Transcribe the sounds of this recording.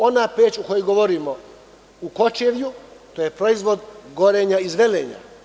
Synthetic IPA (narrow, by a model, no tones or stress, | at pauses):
o̞napeːt͡ʃuko̞joɡo̞ʋoɾimo | uko̞t͡ʃeʋjut̪o̞ːje̞pɾo̞izʋo̞d̪ɡo̞ɾe̞ɲaizʋelḛːɲa̰